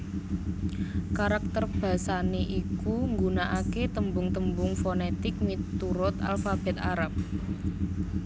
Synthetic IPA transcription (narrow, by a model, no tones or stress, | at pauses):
kaɾak̚t̪ərb̥ä̤saneʔikuŋɡunaʔaket̪əmbʊŋt̪əmbʊŋfonet̪ɪk̚mit̪uɾʊt̪a̰lfab̥ɛ̤t̪aɾap̚